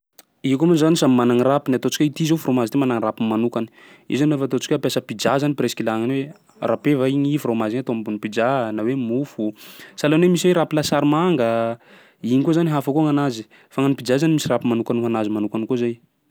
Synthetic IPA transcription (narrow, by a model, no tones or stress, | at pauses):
ikumunzanisamimanaŋirapinat̪ot͡si̥kʲait̪izofɾomazit̪emanaŋirapimanukani̥ | ḭzanofat̪ot͡si̥kʲapjasəpid͡ʒazanipɾeskilaŋaniwe | rapevaiɲifɾomaziɲat̪oambunipid͡ʒanawemufusalonemisiweɾapilasaɾimaŋɡə | iɲikuzaniɦafakuŋanazi | faŋanipid͡ʒazanimisirapimanukanuɦanazimanukanikuzaj